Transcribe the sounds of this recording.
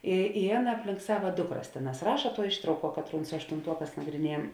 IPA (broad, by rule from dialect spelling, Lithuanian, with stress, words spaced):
ɪ ɪ ˈɑːˌnɐ ɐpʲˈlʲɪŋk ˈsɑːʋɐ ˈdʊkˌrɐs ˈtʲeːˌnɑːs ˈrɑːʃɐ tuɔ ˈɪʃtrɐʊˌkuɔ ˈkɑːtˌruːn sʊ ɐʃtʊnˈtuɔˌkɑːs nɐɡrʲɪˈnʲiɛjɛm